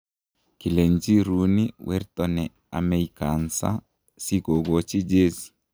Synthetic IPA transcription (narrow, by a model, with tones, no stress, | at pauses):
ki˨le˨ɲd͡ʒi˦ɾu˦niwʔɛ˦ɾtɔnɛ˨ | a̰˨mɛ˨jka˨nsa̰˦ | si˦ko˨ɡo˨t͡ʃi˦d͡ʒe˦si̥˨